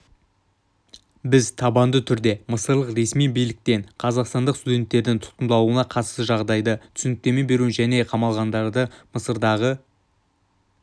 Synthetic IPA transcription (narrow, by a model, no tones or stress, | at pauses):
bɪzt̪ʰɑbɑnd̪ət̪ʰʏɾd̪e̞məsəɾlˠəqɾe̞smijbijlɪk̚t̪e̞ɴqʰɑzɑqst̪ɑnd̪əqst̪ud̪ʲe̞nt̪ːe̞ɾd̪ɪŋt̪ʰʊ̥t̪̚qənd̪ɑlˠuənɑqʰɑt̪səʒɑʁd̪ɑjd̪ət̪ʰʏ̥sʏnɪk̚t̪e̞me̞be̞ɾuʒæne̞qʰɑmɑlˠʁɑnd̪ɑɾd̪əməsəɾd̪ɑʁə